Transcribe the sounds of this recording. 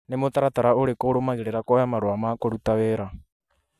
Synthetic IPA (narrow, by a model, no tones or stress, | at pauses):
nemotaɾataɾaoɾekoːɾomaɣeɾeɾakɔjamaɾoamaːkoɾutaweɾa